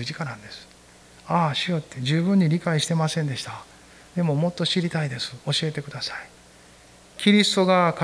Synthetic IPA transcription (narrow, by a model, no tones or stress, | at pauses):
ɨʑikanãnd̪e̞sɨ̥ | aɕijot̪ːe̞d͡ʑɨːbɯ̟̃ɲ̟ːiɾʲikaiɕi̥t̪e̞masẽ̞nd̪e̞ɕi̥t̪a | d̪e̞mo̞mo̞t̪ːo̞ɕiɾʲit̪aid̪e̞sɨ̥o̞ɕie̞t̪e̞kɯ̟d̪asai | kʲiɾʲisɨ̥t̪o̞ɡaka